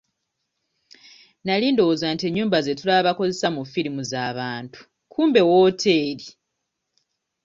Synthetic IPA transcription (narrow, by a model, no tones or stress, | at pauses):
naliːndo̞wozaːntieɲːuːmbaze̞tulaβako̞ze̞samufiɾimuzaːβaːntu̥ | kʰuːmbe̞woːtʰe̞ːɾi